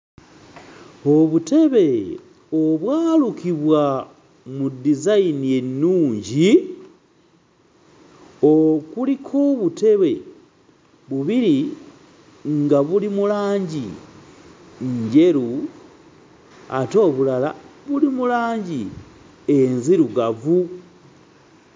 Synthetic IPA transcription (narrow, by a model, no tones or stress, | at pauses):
o̞βute̞βe̞ | oβwaːlukiβwa | mudizainije̞nːuːɲɟi | okulikʰoβute̞βe̞ | βuβiɾi | ŋɡaβulimulaːɲɟi | ɲɟe̞ɾu | a̰to̞ːβulala̰βulimulaːɲɟi | enziɾuɡavu